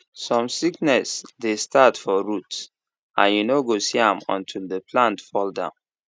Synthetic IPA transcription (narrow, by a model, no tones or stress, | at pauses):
sɔ̃msiknɛsdestʰatfɔɹuts | ã̰njunoɡosiãmɔ̰̃ntʰildəpʰlãntfɔldã̰ʊ̃n